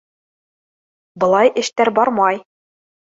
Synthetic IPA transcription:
bɤ̆lˠɑjʔɘ̆ʃt̪æɾbɒɾmɑj

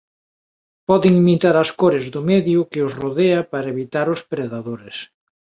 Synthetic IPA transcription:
pɔðɪŋmit̪aɾaskoɾɪzðʊmɛðjʊkɪʊsroðeapaɾɐeβit̪aɾʊspɾeðaðoɾes

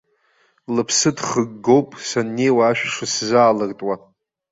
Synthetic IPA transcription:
lɨpʰsɨdχəɡːo̞wpʼsanːejwaːʃᶣʂɨszaːlɨrtʼwa

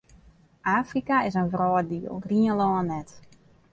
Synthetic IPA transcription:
ʔaːfrikaɪsənvrɔːdiəlˠriənlɔːənːɛt

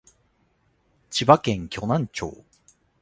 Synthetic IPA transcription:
t͡ɕibakẽŋkʲo̞nãɲt͡ɕo̰ː

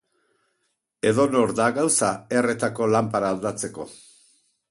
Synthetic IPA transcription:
e̞ðo̞no̞ɾðaɣawsae̞re̞t̪ako̞lampaɾaːld̪at͡se̞ko̞̰

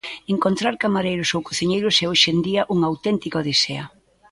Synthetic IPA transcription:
eŋkont̪ɾaɾkamaɾejɾʊsowkoθiɲejɾʊsɛoʃend̪iɐʔuŋawt̪ɛnt̪ikoðiseɐ

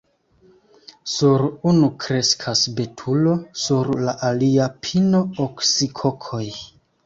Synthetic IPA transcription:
suɾunukɾe̞skʰasbe̞tʰulo̞suɾlaʔaliapʰino̞oksikʰo̞kʰo̞j

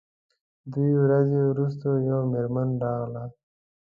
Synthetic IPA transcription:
d̪uiwɾazewɾus̬t̪ojawmeɾmənɖɑːɣla

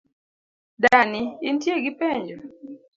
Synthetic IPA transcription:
daniintjeɡipɛɲd͡ʒɔ

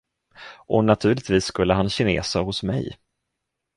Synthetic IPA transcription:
ʔɔnat̪ʰʉ̟ːɭɪt̪viːsːkɵlːəɦanɕɪnḛːsahʊsmɛ̰j

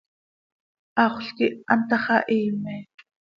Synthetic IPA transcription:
ɑχʷɬkiʔa̰nt̪ɑχɑʔiːmɛː

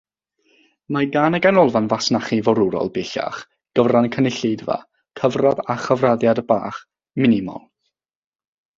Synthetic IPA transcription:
maɡaːnɛɡanɔlˠvanvasnaχivɔɾʊɾɔ̰lˠbeɬa̰χ | ɡ̥əvrankʰənɪɬedva̰ | kʰəvraðaχəvraðjadəba̰ːχ | mɪnɪmɔ̰lˠ

